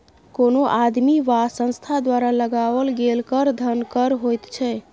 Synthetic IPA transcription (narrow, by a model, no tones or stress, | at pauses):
konoʔad̪miʋasə̃nst̪ʰad̪waɾaləɡaʋəlɡelkəɾd̪ʱənkəɾɦojt̪t͡ʃʰɛ